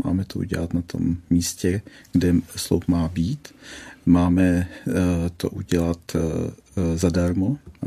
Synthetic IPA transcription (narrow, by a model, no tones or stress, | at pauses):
ma̰ːmɛt̪ʰoʔṵɟɛ̰lat̪nat̪ʰo̞̰mːiːscɛɡ̥dɛslowpmaːbiːt̪maːmɛ | t̪oʔuɟɛlat̪ | zadaɾmo